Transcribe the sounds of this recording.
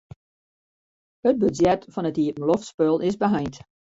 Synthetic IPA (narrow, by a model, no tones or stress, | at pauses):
ət̚bøzjɛtfɔnətiətn̩loftspølˠɪsbəɦajnt